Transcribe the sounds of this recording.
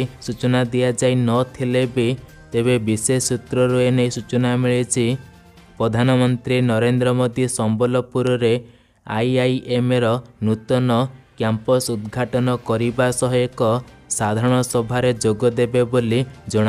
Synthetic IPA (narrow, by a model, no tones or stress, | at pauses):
sut͡ʃɔnad̪ijad͡ʒajnɔt̪ʰilebi | t̪eβebisesut̪ɾɔɾuenejsut͡ʃɔnamiɭet͡ʃʰi | pɾɔd̪ʱanɔmɔnt̪ɾinɔɾend̪ɾɔmod̪isɔmbɔlɔpuɾɔɾe | a̰jajemeɾɔnut̪ɔnɔkjampɔsud̪ɡʱaʈɔnɔkɔɾibasɔɦɔekɔsad̪ʱaɾɔɽ̃ɔsɔbʱaɾed͡ʒoɡɔd̪ebebolid͡ʒɔɽ̃a